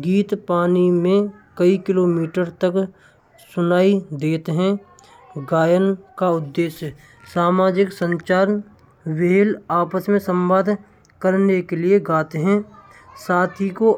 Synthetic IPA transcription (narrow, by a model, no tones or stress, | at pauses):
ɡiːt̪paːnimẽkəikɪloːmiːʈəɾt̪ək | sʊnaːid̪eːt̪ɦɛ̃ | ɡaːjənkaʊd̪ːeːʃjə | saːmaːd͡ʒɪksə̃ɲt͡ʃaːɾən | ʋeːlaːpəsmẽsə̃mbaːd̪ʱ | kəɾnekelieɡaːt̪eɦɛ̃ | saːt̪ʰiko